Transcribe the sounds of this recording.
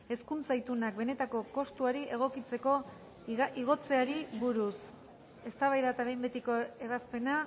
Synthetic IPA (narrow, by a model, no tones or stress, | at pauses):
e̞skunt͡sajt̪unak̚be̞ne̞t̪ako̞ko̞st̪uaɾiʔe̞ɣ̞o̞kit͡se̞ko̞ | iɣ̞o̞t͡se̞aɾiβuɾus | e̞st̪aβajðat̪aβe̞jmbet̪iko̞e̞βaspe̞na